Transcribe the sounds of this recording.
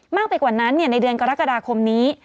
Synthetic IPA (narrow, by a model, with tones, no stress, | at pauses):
maː˥˩k̚pa˧jkwaː˨˩na˦˥nːi˥˩na˧jdɯ˧ənka˧ɾa˦˥kːa˧daː˧kʰo˧mniː˦˥